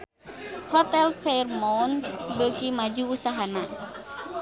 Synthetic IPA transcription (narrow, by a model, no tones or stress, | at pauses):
hɔt̪ɛlfɛrmɔwnt̪bəkimad͡ʒuːsaɦana